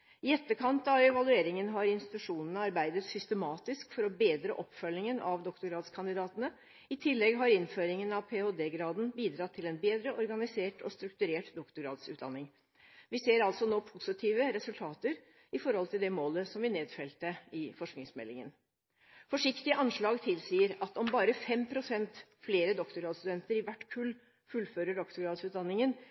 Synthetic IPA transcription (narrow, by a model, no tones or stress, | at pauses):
ɪɛt̪ːəkʰɑnt̪ɑʋɛʋɑlʉeːɾɪŋənɦɑɾɪnst̪ɪt̪ʉʂuːnənəɑɾbæɪd̪ət̪sʏst̪əmɑːt̪ɪskfɔɾɔbeːd̪ɾəʔɔpfœlɪŋənʔɑʋd̪ɔkt̪ʊɡɾɑːd̪skʰɑnd̪ɪd̪ɑːt̪ənə | ɪt̪ʰɪlːɛɡɦɑɾɪnføːɾɪŋənɑʋpʰeːoːd̪eːɡɾɑːd̪n̩biːd̪ɾɑt̪ʰːɪlɛnbeːd̪ɾəʔɔɾɡɑnɪseːʈɔst̪ɾʉkt̪ʉɾeːʈd̪ɔkt̪ʊɡɾɑːd̪sʉːt̪̚d̪ɑ̰nːɪŋ | ʋɪseːɾɑlt̪sɔnoːpʰʊsɪt̪ʰiːʋəɾɛsʉlt̪ʰɑːt̪əɾ | ɪfɔɾhɔlt̪ɪld̪ɛmoːləsɔmʋɪneːd̪fɛlt̪əɪfɔʂknɪŋsmɛ̰lːɪŋə̰n | fɔʂɪkt̪ɪəʔɑnʂɭɑːɡt̪ʰɪlsiːəɾɑt̪ɔmbɑːɾəfɛmpʰɾʊsɛnt̪fleːɾəd̪ɔkt̪ʊɡɾɑːd̪st̪ʉd̪ɛnt̪əɾɪʋæʈːkʰʉlː | fʉlːføːɾəɖɔkt̪ʊɡɾɑːd̪sʉːt̪̚d̪ɑnːɪŋən